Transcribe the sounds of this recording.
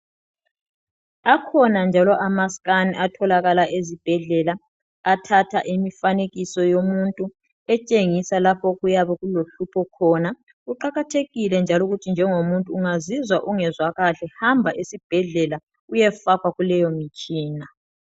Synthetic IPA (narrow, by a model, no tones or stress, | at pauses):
akʰɔnand͡ʒʱalɔʔamaskʼanʔatʰɔlaɣalaʔezib̥ʱɛɮɛlaː | tʰatʰaʔimifaneɣisɔjomuntʼu | ɛt͡ʃʼeŋisalapʰɔɣujaβɛɣuloɬupʰɔkʰɔːna | uǃaɣatʰeɣilɛnd͡ʒʱalɔuɣutʰind͡ʒʱɛŋomuntʼuːŋazizwaʔuŋɛzwaɣaɬɛhambʱaʔesib̥ʱɛɮɛla | ujɛfakʰwaɣulɛjɔmit͡ʃʼiːna